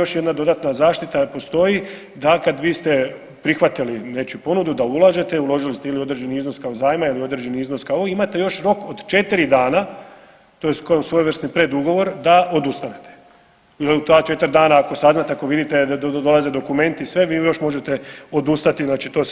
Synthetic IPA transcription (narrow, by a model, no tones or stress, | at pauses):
jo̞ʃjed̪nad̪o̞d̪at̪nazaːʃt̪it̪apo̞st̪o̞ji | d̪akad̪ʋiːst̪e̞ | pɾixʋat̪iline̞t͡ʃupo̞nud̪ud̪aulˠaʒe̞t̪e̞ulˠo̞ʒilist̪eilio̞d̪ɾe̞d͡ʒe̞niiznoskaozaːjmailio̞d̪ɾed͡ʒe̞niizno̞skaooimat̪e̞jo̞ʃɾo̞kod̪t͡ʃe̞t̪iɾid̪aːna | t̪ojeskosʋo̞jʋr̩snipɾe̞d̪uɡo̞ʋo̞ɾd̪aʔo̞d̪ust̪ane̞t̪ʰe̥ | iliut̪at͡ʃe̞t̪əɾd̪aːnaːko̞saznat̪eako̞ʋid̪it̪ed̪o̞lˠaze̞d̪o̞kume̞nt̪isʋe̞ʋiːjo̞ʃmo̞ʒet̪e̞o̞d̪ust̪at̪iznaːt͡ʃit̪o̞ː